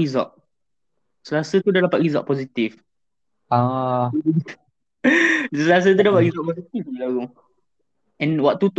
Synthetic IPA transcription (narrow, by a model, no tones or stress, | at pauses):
izɔ̰ʔ̚ | səɾasət̪udalapaʔɹizɔ̰ʔ̚pɔzit̪if | a | dsəɾas̬ət̪udapaʔ̚ɹizɔʔ̚pɔsit̪ifilaɡu | ɛ̃nwɔʔ̚t̪ut̪